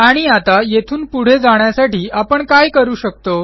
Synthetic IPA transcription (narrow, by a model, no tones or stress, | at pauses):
aɽ̃iat̪ajet̪ʰuːnpuɽ̤ed͡zaɳjasaʈiːʔapəɳkajkəɾuːɕək̚t̪o